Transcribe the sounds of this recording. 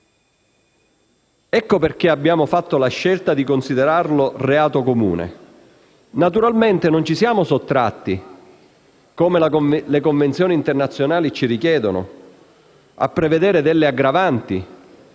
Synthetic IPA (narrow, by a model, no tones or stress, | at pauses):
ɛkːoperk̟eabːjaːmofat̪ːolaʃːelt̪ad̪ikonsid̪eɾarloreaːt̪okomṵːnḛ | nat̪uɾalment̪enont͡ʃisjaːmosot̪ːɾa̰t̪ːi | komelalekoɱvent̪sjɔːnint̪ernat̪sːjonaːlit͡ʃiɾikjɛːd̪onʊ̰ | a̰pːɾeved̪eːɾed̪elːeaɡɾavant̪i